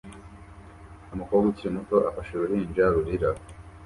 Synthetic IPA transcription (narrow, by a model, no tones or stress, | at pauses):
amukoɡuciɾimuto̞ʔafaʃeɾuɾind͡ʒaɾuɾiɾa